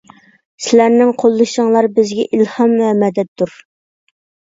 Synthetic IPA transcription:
sɪlæɾnɪŋqʰolˠːɨʃəŋlˠɑɾbɪzɡʲɛʔilhɑmvɛmɛd̪ɛt̪d̪uɾ

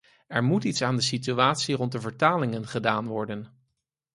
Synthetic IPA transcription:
ɛɹmutitsaːndəsityaːtsirɔnt̚dəvəɹtaːlɪŋənχədaːnʋɔɹdən

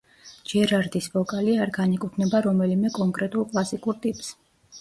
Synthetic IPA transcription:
d͡ʒɛɾaɾd̪isbɔkʼaliaɾɡanikʼukʰnɛbaɾɔmɛlimɛkʼɔŋkʼɾɛt̪ʼulˠkʼlˠasikʼuɾt̪ʼipʼs

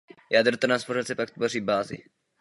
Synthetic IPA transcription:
jaːd̪r̩t̪naspoɾat͡sɛpakt̪voriːbaːzɪ̰

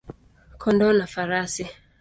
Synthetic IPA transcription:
kʰɔndɔnafaɾasi

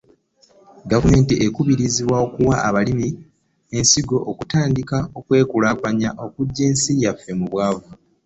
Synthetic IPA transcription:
ɡavume̞ːntiʔekuβiɾiziβwaokuwaaβalimi | e̞nsiɡo̞ʔokutaːndikao̞kwe̞ːkulaːpaɲaʔo̞kuɟːe̞ːnsijafːe̞muβwaːva

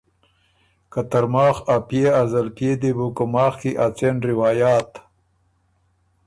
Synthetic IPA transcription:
kat̪aɾmɑːxapjeazalpjed̪ebukumɑːxkiʔat͡senɾɪwɑːjaːt̪

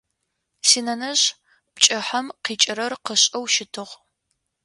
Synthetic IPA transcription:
siːnɐnɐɕ | pt͡ʃʼɐħɐmqiːt͡ʃʼɪɾɐrqəɕʼɐwʃɪtʰɨʁ

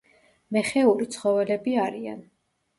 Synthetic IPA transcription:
mɛχɛuɾit̪sʰχɔvɛlɛbiaɾia̰n

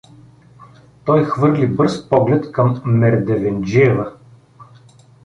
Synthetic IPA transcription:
t̪ɔjxvɤɾlibɤɾspɔɡlɛt̪kɤmːɛɾd̪ɛvɛnd͡ʒiɛvə

